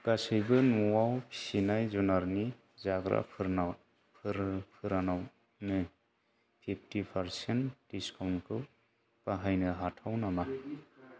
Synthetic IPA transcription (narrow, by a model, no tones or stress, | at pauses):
kasɯjbɯnuwawpʰi̥sinajzɔnaɾni | zaɡɾa̰pʰɯɾna | pʰɯɾpʰɯɾanaw | nɯ | pʰip̚ʰtipʰaɾsentd̥iskʰawnkʰɯ | paɦajnɯɦatʰawnama